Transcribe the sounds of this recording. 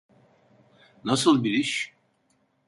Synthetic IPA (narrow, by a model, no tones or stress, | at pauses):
nasɯlˠbiɾiʃ